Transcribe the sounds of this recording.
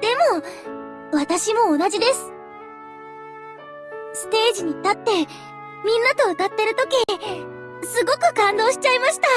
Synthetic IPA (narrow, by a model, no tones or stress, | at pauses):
d̪̥e̞mo̞ | βat̪aɕimo̞ːnad͡ʑid̪e̞sɨ̥ | sɨ̥t̪e̞ːʑiɲ̟it̪at̪ːe̞ | mʲĩnːat̪o̞ːt̪at̪ːe̞ɾɯ̟t̪o̞kʲi | sɨɡo̞kɯ̟kãnd̪o̞ːɕi̥t͡ɕaimaɕi̥t̪a